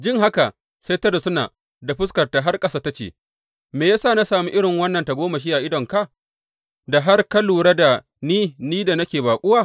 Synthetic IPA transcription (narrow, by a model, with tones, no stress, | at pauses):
d͡ʒɪ˦ŋɦa˦ka˨ | sa˦jtɐ˦da˨sʊ˦naː˨ | da˨ɸʊ˦s̬kɐ˨rta˨ɦa˦rkʼɐ˦saː˦ta˦t͡ʃḛ˨ | meː˨jaː˦saː˦˨na˦saː˨mu˦ʔɪ˦ɽɪ˨ŋwɐ˦nːɐ˨nta˨ɡʷoː˦ma˨ʃ̬i˦ʔa˨ʔɪ˦dɔ˨ŋka˦˨ | da˨ɦa˦rkɐ˦luː˨ɽa˦da˨ | niː˦niː˦da˨nɐ˦kʲeː˨baː˨kʷʼʊ˦waː˦˨